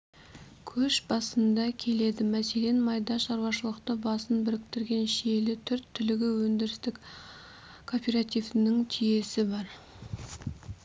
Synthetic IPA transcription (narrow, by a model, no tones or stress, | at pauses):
kʲʰɵʃbɑsənd̪ɑkʲʰe̞le̞d̪ɪmæse̞le̞nmɑjd̪ɑʃɑɾwɑʃəlˠəqt̪əbɑsənbɪɾɪk̚t̪ɪɾɡʲe̞nʃelɪt̪ʰʏɾt̪ʰːʏlɪɡʲɪwɵnd̪ɪɾɪst̪ɪk | kʰo̞pʲeɾat̪ijvnɪŋt̪ʰije̞sɪbɑɾ